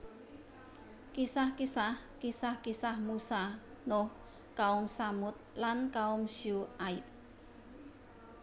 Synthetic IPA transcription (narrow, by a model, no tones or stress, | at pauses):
kisahkisah | kisahkisahmusa | noh | kaʊŋsamʊt̪̚lankaʊmsjuaip̚